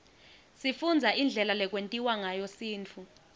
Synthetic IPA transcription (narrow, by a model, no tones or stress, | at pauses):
sifund͡zʱaʔind͡ɮʱɛlalɛk̬ʼwentʼiwaŋajɔsiːnt͡fʰu